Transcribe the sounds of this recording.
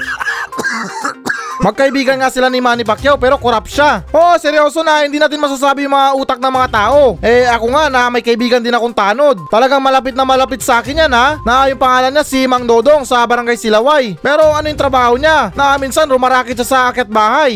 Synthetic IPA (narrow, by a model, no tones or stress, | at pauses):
mɐɡ̚kɐʔɪbiːɡɐnŋasɪlanɪmaːnipɐkjɛwpɛːɾo̞koɾap̚ʃaʔosɛɾjo̞ːso̞nɐhɪnd̪inat̪ɪnmɐs̬aːs̬aːbɪjʊŋmɐŋaʔuːt̪ɐk̚nɐŋmɐŋat̪aːʔo̞ʔɛɐkoŋanɐmɐjkɐɪbiːɡɐnd̪ɪnɐkoŋt̪aːno̞d̪̚t̪ɐlɐɡaŋmɐlɐp̬ɪt̪̚nɐmɐlɐpɪt̪̚sɐʔaːkɪnjananɐʔaːjʊŋpɐŋaːlɐnɲasimɐŋd̪o̞ːd̪o̞ŋsɐbɐɾɐŋɡajsɪlawajpɛːɾo̞ɐnojʊŋt̪ɾɐbaːhoɲanɐʔminsanɾʊmɐɾaːkɪt̪̚ʃasɐʔɐkɐt̪̚baːhaj